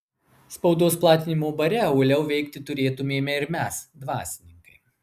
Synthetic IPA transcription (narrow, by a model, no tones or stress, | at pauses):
spɐʊd̪oːsplˠɑːt̪ʲɪnʲɪmoːbɐɾʲɛʊlʲɛʊʋʲɛɪkt̪ʲɪt̪ʊɾʲeːt̪ʊmʲeːmʲɛɪɾmʲæsd̪ʋɑ̰ːsʲɪnʲɪŋkɐɪ